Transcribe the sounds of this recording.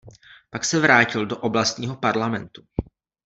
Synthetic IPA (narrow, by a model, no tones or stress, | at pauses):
paksɛvɾaːcɪldoʔoblast̪ɲiːɦo̞paɾlamɛnt̪u